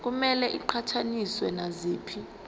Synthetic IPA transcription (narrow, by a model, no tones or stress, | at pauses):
k̬umɛlɛʔiǃʰatʰaniswɛnaziːpʰi